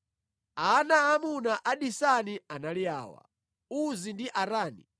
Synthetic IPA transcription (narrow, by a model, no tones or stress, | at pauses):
aanaamunaʔaɗisanianalia̰ːwa̰ | uzindiʔaɾaːnḭ